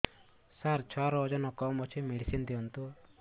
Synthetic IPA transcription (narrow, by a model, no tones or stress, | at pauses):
saɾt͡ʃʰɔɾɔd͡ʒɔnɔkɔmɔt͡ʃʰimeɽisind̪iɔnt̪u